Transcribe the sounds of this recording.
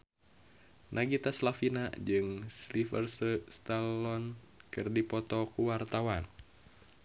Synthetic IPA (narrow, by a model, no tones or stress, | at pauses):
nʔaɡit̪aslafinad͡ʒɨŋslifərsst̪alɔn | kɨrdipɔt̪ɔkuwart̪awan